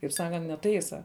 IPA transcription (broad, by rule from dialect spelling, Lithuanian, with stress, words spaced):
kɐɪp ˈsɑːkɐnt nʲɛˈtɐɪsɐ